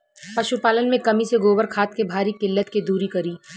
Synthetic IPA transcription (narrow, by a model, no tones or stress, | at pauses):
pɐʃupaːlənmẽkɐmiseɡoːbəɾkʰaːt̪̚kebʱaːɾikɪlːət̪ked̪uːɾikɐɾiː